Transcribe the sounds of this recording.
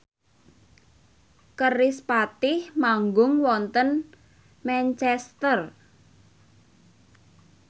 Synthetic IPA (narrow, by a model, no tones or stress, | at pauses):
kərɪspat̪ɪhmaŋɡʊŋwɔnt̪ən | mɛnt͡ʃɛst̪ər